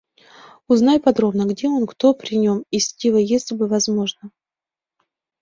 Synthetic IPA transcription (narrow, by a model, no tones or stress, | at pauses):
ʊznajpɐd̪ɾo̞bnəɡdʲeonkt̪o̞pɾʲɪnʲo̞misʲtʲivəjesʲlʲɪbɨvɐzmo̞ʐnə